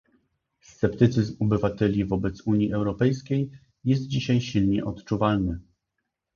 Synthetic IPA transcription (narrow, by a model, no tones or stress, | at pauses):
st̪sɛpt̪ɘt̪sɘzmɔbɘvat̪ɛlʲivɔbɛt̪suɲiʔɛwɾɔpɛjskʲej | jɛst̪̚d͡ʑiɕajɕilɲɛʔɔt̪t͡ʂuvalnɘ